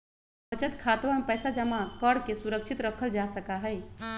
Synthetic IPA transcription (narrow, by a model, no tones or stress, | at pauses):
pət͡ʃət̪kʰaːt̪ʋamepɛːsad͡ʒəmakəɽkesuɾəkʃʰit̪ɾəkʰəld͡ʒasəkaɦɛj